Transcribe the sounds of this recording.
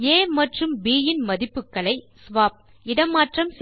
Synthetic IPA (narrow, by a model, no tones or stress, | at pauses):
eːmɐʈrɯmbiːjɪnmɐðɪpːɯkːɐɭɐɪsʋaːp̚ | ɪɽɐmːaːʈrɐms